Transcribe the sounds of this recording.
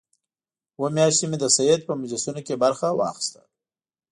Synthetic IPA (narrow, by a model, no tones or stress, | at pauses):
wəmjɑʃt̪simed̪əsajed̪̚pəmad͡ʒlasunokebaɾxawɑ̰xɪ̥st̪ḁ